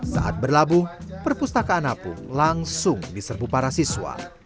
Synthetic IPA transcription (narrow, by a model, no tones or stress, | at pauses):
sa̰ʔa̰t̪̚bərlabuhpərpust̪akaːnapʊ̰nlaŋsʊŋdisərbupaɾasiswa̰